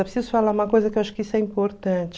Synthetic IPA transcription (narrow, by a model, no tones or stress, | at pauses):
ɛpɾɪsizʊfalaũmɐkojzɐkewaʃʊ̥kɪisʊɛĩmpoɾt̪ɐ̃t͡ʃɪ